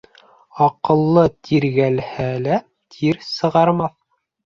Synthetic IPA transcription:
ɑqɤ̆lˠːɤt̪ʰiɾɡælhælæ | t̪ʰiɾsɤ̆ʁɑɾmɑθ

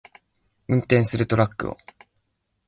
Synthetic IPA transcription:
ɯ̟̃nt̪ẽ̞ɰ̃sɨɾɯ̟t̪o̞ɾakːɯ̟o̰

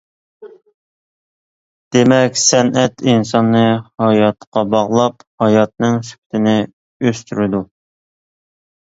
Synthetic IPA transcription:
d̪̥emɛkʲsɛnʔɛt̪insɑnːɨhɑjɑt̪qɑbɑʁlˠɑphɑjɑt̪̚nɨŋsy̥kʲt̪ʰɪnɪ | øst̪yɾɪd̪u

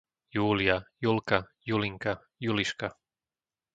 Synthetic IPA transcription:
juːliajulkajuliŋka | juliʃka

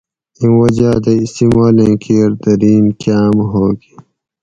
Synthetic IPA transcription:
ĩwɐd͡ʑaːd̪eist̪iːmaːlẽːkʰiːɾd̪ɐɾiːnkaːmɦoːɡi

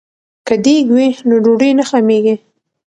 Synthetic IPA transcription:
kəd̪eɡwinoɖoɖenaxameɡi

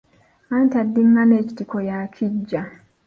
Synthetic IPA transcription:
antadːiŋːaneːci̥tikojakʰiɟːa

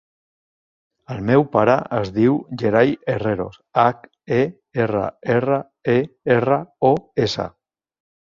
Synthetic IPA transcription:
əlˠmɛwpaɾə̰əzðiwʒeɾajereɾo̰sak | e | erə̰erə | eerəoesa̰

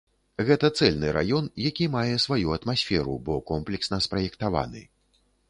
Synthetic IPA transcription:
ɣɛt̪ɐt̪sɛlʲnɨɾʔa̰jɔnjakʲimajɛsvajuɐt̪masʲfʲɛɾṵbɔkɔmplʲɛksnɐspɾɐjɛkt̪ava̰nɨ̰

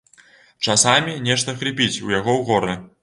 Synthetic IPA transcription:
t͡ʂasamʲinʲɛʂt̪ɐxɾʲipʲit͡sʲujaɣɔwɣɔɾɨ

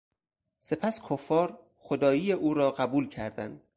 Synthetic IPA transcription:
se̞pʰæskʰofːɒːɾ | xod̪ɒːjiːjeʔuːɾɒːɢæbuːlcʰæɾd̪æ̰nd̪̥

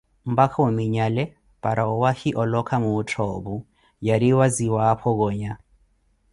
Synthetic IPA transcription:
m̩bakʰaumiɲalɛ | paɾaɔwahiʔɔlɔkʰamuːtʰɔbu | jaɾiwaziwapʰɔɣɔːɲa

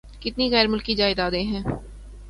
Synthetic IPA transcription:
kɪt̪niɣɛːɾmʊlkid͡ʒaːɪd̪aːd̪eɦɛ̃ː

